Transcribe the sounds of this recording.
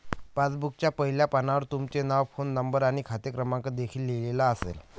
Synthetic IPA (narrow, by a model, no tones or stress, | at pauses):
pat͡sbuk̚t͡ɕjapəɦiljapanaʋəɾt̪umt͡ɕenaʋfonːəmbəɾaɽ̃ikʰat̪əkɾəmãŋkəd̪ekʰiːlːelelaəsḛl